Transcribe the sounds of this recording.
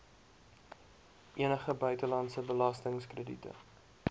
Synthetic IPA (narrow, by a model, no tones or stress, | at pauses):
ʔiənəχəbœɥtəlɑntsəbəlɐstəŋskrədḭtə̰